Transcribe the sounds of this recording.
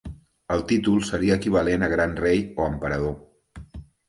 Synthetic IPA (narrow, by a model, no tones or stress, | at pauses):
əlˠt̪it̪ulˠsəɾiəːkiβəlenəɣ̞ɾanrejoəmpəɾəðo